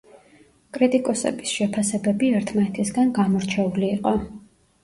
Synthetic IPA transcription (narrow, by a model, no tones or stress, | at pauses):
kʼɾit̪ʼikʼɔsɛ̰bisʃɛpʰasɛbɛbiɛɾt̪ʰmanɛt̪ʰisɡanɡamɔɾt͡ʃʰɛuliːqʼɔ